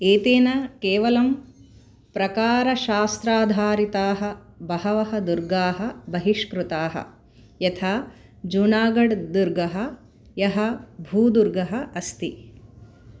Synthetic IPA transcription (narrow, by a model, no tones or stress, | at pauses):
eːt̪eːnɐkeːʋɐlɐm | pɾɐkaːɾɐʃaːst̪ɾaːd̪ʱaːɾit̪aːɦɐ̆ | bɐhɐʋɐɦɐd̪uɾɡaːɦɐ̆bɐɦiʃkɾut̪aːɦɐ̰ | jɐt̪ʰaː | d͡ʒunaːɡɐɖd̪uɾɡɐɦɐ̆ | jɐɦɐbʱuːd̪uɾɡɐɦɐɐst̪i